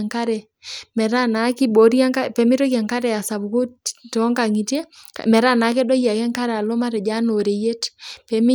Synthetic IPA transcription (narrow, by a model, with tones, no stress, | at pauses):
ŋka˦ɾɛ˨ | mɛ˨ɾa˦na˨˦kɪ˦bo˨ɾja˦ŋka˦pɛ˨mɪ˦ɾo˦kɛ˨ŋka˦ɾɛ˨a˨sa˨bu˨ko˦tɔ˨˦ŋɡa˨ŋi˨te˦kmɛ˨ɾa˦na˨˦ke˦dɔ˦ja˨kɛ˦ŋka˦ɾɛ˨a˨lo˦ma˦ɾɛ˨d͡ʒa˦no˨ɾe˨je˦tpɛ˨mɪ˦